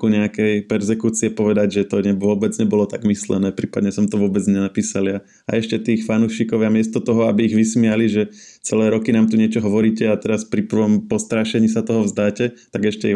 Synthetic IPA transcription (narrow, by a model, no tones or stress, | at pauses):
kuɲɛakɛjpɛɾzɛkuːt͡siɛpɔʋɛd̪aɟʒɛt̪ɔɲɛʊɔbɛd͡zɲɛbɔlɔt̪a̰ɡmislɛ̰nɛːpɾiːpad̪ɲɛsɔmt̪ɔʋʊɔbɛd͡zɲɛnapiːsalɪa | a̰ɛʃcɛt̪iːxfanuːʃiːkɔʊjamɪɛst̪ɔt̪ɔɦɔabiːɣʋismialiʒɛ | t͡sɛlɛːɾɔkinaːmt̪uɲɪɛt͡ʃɔɦɔʋɔɾiːcɛat̪ɛɾaspɾipʋɔmpɔst̪ɾaʃɛɲiːsat̪ɔɦɔʋzd̪aːcɛt̪aɡɛʃcɛi